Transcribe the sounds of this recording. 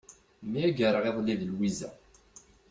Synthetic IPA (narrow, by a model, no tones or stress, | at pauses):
miæɡəɾəʁeðˤlːiðəlwizæ̰